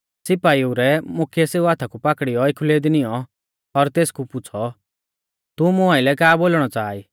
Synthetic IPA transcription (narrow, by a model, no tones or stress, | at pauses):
sɪpaːiuɾɛmʊkʰijɛseːuat̪ʰakupakɽijɔɪkʰuleːd̪inɪjɔ | ɔɾt̪eːskupʊt͡sʰɔ | t̪umʊ̃aɪlɛkaːboːlɽ̃ɔt͡saːi